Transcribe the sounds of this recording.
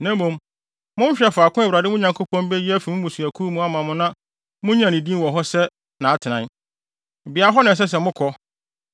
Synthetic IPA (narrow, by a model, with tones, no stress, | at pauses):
nã˦mũ˨m | mʊ̃˦n̩˦ɕᶣɛ˨fʊ˨a˨kʊ̃˦æ˨wa˨dɪ˦mʊ̃˦ɲã˨ŋkʰo˦pʰɔ̃˦nbɛ˦ji˦æ˦fi˨mʊ̃˦mũ˨su˨æ˨kʰu˦mũ˦a˦mã˨mʊ̃˦nã˦ | mʊ̃˦ɲ˦ã˨nĩ˨dĩ˦nwɔ̃˨ɦɔ˦sɛ˦ | nã˨a˨tʰɪ˨nã˦n˨ | bi˨a˨˦ɦɔ˦nã˨s̬ɛ˦s̬ɛ˨mʊ̃˦kʰɔ˦